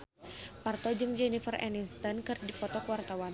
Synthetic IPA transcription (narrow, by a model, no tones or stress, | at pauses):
part̪ɔd͡ʒɨŋd͡ʒɛnifərɛ̰ninst̪ənkɨrdipɔt̪ɔkəwart̪awan